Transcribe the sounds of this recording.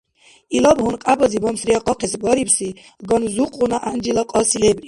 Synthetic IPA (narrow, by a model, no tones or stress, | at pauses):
ilɔbɦɔnqʼabɔzibɔmsɾiaqʼɔqʰɛsbɔɾipsi | ɡɔnzuqʼunaʔand͡ʒilaqʼɔsilɛbɾi